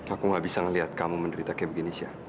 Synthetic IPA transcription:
akuŋɡaʔbisaŋəliɦat̪̚kamuməndəɾit̪akɛbəɡinisia

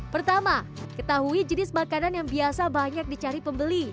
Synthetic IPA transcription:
pərt̪ama | kət̪aɦuid͡ʒənɪsmakananjaŋbiasabaɲak̚dit͡ʃaɾipəmbəli

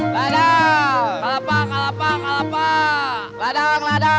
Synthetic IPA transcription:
lada | kalapakalapakalapa | ladaŋlada

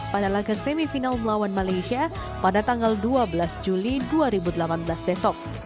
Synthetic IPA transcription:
padalaɡasɛmifinalməlawanmalajʃia | padat̪aŋɡalduablasd͡ʒuliduaɾibudəlapanblasbɛsɔk̚

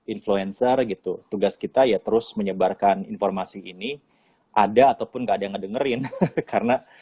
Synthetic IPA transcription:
influɛnsərɡit̪ut̪uɡaskit̪ajat̪əɾʊsməɲəbarkaninformasiini | ʔadaːt̪awpʊnɡaːdajŋədəŋəɾɪnkarəna

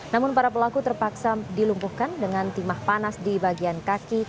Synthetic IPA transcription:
namʊnpaɾapəlakut̪ərpaksadilumpuhkandəŋant̪imahpanasdibaɡiankaki

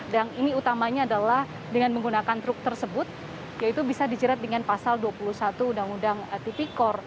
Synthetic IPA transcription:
daniniut̪amaɲaːdalah | dəŋanməŋɡunakant̪ɾʊk̚t̪ərsəbʊt̪̚ | jait̪ubisadid͡ʒəɾat̪̚dəŋanpasalduapuluhsat̪uːndaŋudaŋt̪ipikɔr

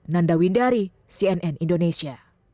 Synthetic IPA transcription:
nandawindaɾi | siɛnʔɛnindonesia

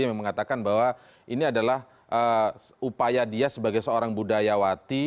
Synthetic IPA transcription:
məŋat̪akanbawa | ʔiniadalah | ʔəupajadiasəbaɡajsəoɾaŋbudajawat̪i

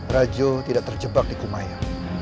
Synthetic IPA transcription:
rad͡ʒot̪idaʔt̪ərd͡ʒəbak̚dikumaja

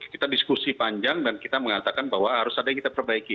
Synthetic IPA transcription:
kit̪adiskusipaɲd͡ʒaŋdankit̪aməŋat̪akanbaɦwaɦaɾʊsadakit̪apərbaiki

